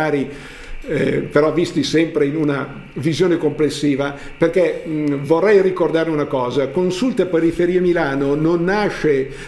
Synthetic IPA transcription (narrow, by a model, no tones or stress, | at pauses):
aːɾi | peɾɔvist̪isɛmpɾeinuna | vizjoːnekomplesːiːva | perkɛvorːɛjrikord̪aːɾeunakɔːzakonsult̪epeɾifeɾiːamilaːnononːaʃːe